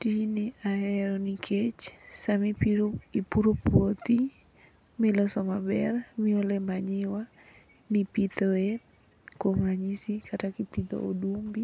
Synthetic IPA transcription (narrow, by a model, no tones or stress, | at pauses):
tinɪaɛɾɔnikʰet͡ʃsamipiipuɾopwot̪i | mɪlɔsɔmabɛrmɪolɛmaɲɪwa | nɪpit̪ɔe | koŋaɲisikʰatakipid̪ɔ̰ʔo̰dumbi